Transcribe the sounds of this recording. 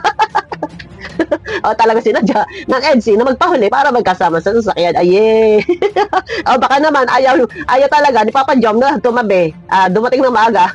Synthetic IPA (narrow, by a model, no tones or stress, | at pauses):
ʔot̪ɐlɐɡasɪnad͡ʒaʔnɐŋʔɛd̪̚sɪnɐmɐɡ̚pɐɦʊlɛpaːɾɐmɐɡ̚kɐsaːmɐsɐsɐs̬ɐkjanɐjɛ | ʔobɐkanɐmanʔajawʔajat̪ɐlɐɡanɪpapɐd͡ʒomnɐt̪ʊmɐbɛʔaːd̪ʊmɐt̪ɪŋnɐŋmɐʔaɡa